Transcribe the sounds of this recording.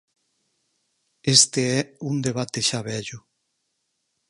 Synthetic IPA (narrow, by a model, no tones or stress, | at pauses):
est̪eɛund̪eβ̞at̪eʃaβɛʎʊ